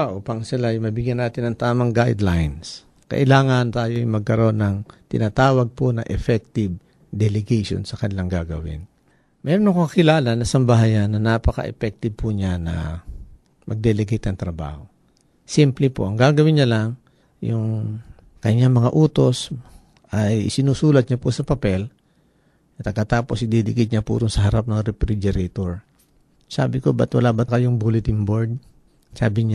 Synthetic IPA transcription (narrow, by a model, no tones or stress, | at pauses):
ʔopɐŋsɪlajmɐbɪɡjɐnaːt̪ɪnɐŋt̪aːmɐŋɡajd̪lajns | kɐ̰ʔɪlaːŋɐnt̪aːjoʔmɐɡ̚kɐɾo̞nɐŋt̪ɪnaːt̪aːwɐɡ̚ponɐʔɛfɛk̚t̪ɪb | d̪ɛlɛɡɛjʃo̰nsɐkɐnɪlaŋɡaɡɐwɪ̰n | mɛːɾonɐkokɐkɪlaːlanɐsɐmbɐɦaːjanːɐnaːpɐkɐ̰ʔɛ̰pɛk̚t̪ɪb̚pʊɲanɐ̰ | mʔɐ̰ɡ̚d̪ɛlɛɡɐjt̪nɐŋt̪ɾɐba̰ːho | simplɪpoʔɐŋɡaːɡɐwɪɲɐlaŋ | jʊŋ | kɐɲaŋmɐŋaʔuːt̪o̞s | ʔɐjʔɪ̰sɪnuːsuːlɐt̪̚ɲɐpʊsɐpɐpɛl | t̪ɐɡkːɐt̪aːpo̞sɪd̪id̪ɪkɪt̪̚ɲapṵɾʊnsɐɦɐɾap̚nɐŋɾɛfɾid͡ʒɛɾɛt̪oɹ | sa̰ːbɪkobɐt̪wɐlaːbɐkɐjoŋbulɪt̪ɪŋboɹd̪̚ | saːbɪɲa